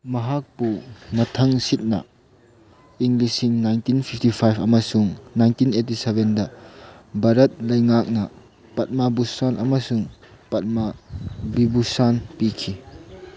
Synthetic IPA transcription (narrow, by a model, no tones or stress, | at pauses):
mɐɦak̚pumɐtʰɐŋsit̚nɐ̰ | iŋlisiŋnajntinpʰipʰtipʰajpʰɐmɐsuŋnajntinetisebendɐ | baɾɐt̚lɐjŋak̚nɐ | pɐt̚mabusanʔɐmɐsuŋpɐt̚mabibusanpikʰi